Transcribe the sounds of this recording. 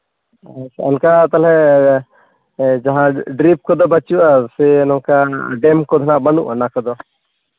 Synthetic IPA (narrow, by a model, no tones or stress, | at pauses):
sɛnkat̪alɛ | d͡ʒaɦãɖɾip̚kɔd̪ɔbət͡ʃuasɛnɔ̃kaɖɛmkɔd̪ʱɔnaʔbənṵʔanakɔd̪ɔ